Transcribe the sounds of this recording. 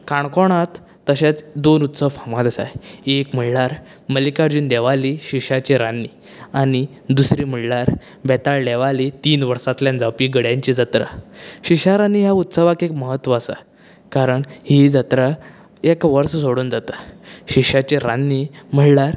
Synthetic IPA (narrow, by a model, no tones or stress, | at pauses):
kaɳkɔɽ̃at̪ː | əɕat͡sd̪onut̪səʋfʰãmat̪əsa̰ekm̤əɽlaɾ | məlikaɾd͡ʑuːnd̪eʋaliɕiɕat͡ɕiɾanːiː | añi | d̪usɾiːm̤əɽlaɾ | bɛt̪aɭɖɛʋalit̪iːnʋəɾsat̪ljãnd͡zapiɡəɽjãɲt͡ɕid͡zət̪ɾə̰ɕiɕaɾaniɦjaut̪səʋakekməɦət̪ːʋəːsa̰ | kaɾəɳhid͡zət̪ɾə | ekʋəɾssoɽuːnd͡zat̪aɕiɕat͡ɕiɾanːim̤əɽlaɾ